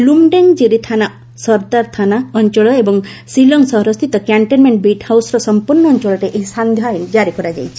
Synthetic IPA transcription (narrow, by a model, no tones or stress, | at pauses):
lumɖeŋd͡ʒeɾet̪ʰana | sɔɾt̪aɾt̪ʰanaɔɲt͡ʃɔɭɔebɔŋsilɔŋsɔɦɾɔst̪ʰit̪ɔkjaɳʈenmeɳʈbeʈhawsɔɾɔsɔmpuɾnːɔːɲt͡ʃɔɭɔʈeʔeɦisand̪ʱjɔd͡ʒaɾikɔɾad͡ʒa̰jt͡ʃʰi̥